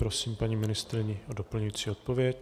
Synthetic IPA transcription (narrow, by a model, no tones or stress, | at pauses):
pɾosiːmpaɲiːmɪnɪst̪ɾɪɲɪodopl̩ɲujiːt͡siːo̞t̪̚po̞vjɛc